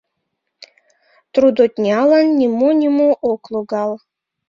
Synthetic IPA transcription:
t̪ɾud̪ot̪ʲnʲiɑlanːʲimonʲimoʔoklˠuɡɑlˠ

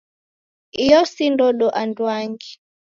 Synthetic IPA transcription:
ijɔsindɔɗɔʔandwaŋɡi

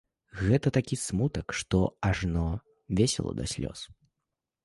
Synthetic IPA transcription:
ɣɛt̪ɐt̪akʲismut̪əkʂt̪ɔaʐnɔ | vʲesʲɛlˠɐ̰d̪ɐ̰sʲlʲɔ̰s

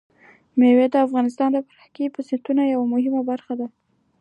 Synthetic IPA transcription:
mewed̪əafɣɑnɪst̪ɑnd̪əpaɾhakepəsɪnt̪unajawamʊhɪmabaɾxad̪a

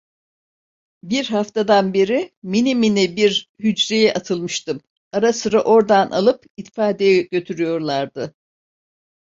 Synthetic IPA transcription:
biɾɦaft̪ʰad̪anbeɾiminiminɛbiɾhyd͡ʒɾejɛʔat̪ʰɯlˠmɯʃt̪ɯm | aɾasɯɾaʔo̞ɾd̪anʔa̰lˠɯp | it̪faːd̪ejɛɟø̞t̪ʰyɾyjo̞ɾlˠaɾd̪ɯ

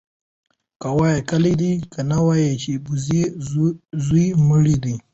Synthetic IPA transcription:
kawajekalid̪ikanawajet͡ʃebuz | zumuɽid̪i

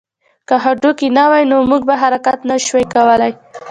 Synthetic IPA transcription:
kaɦaɖokinawajnomuɡ̚baɦaɾakat̪naʃwajkawəlaj

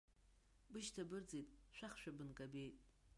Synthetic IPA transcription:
bɨʃtʰabɨrd͡zejtʼʃʷᶣaχʃᶣabɨnkʼabejtʼ

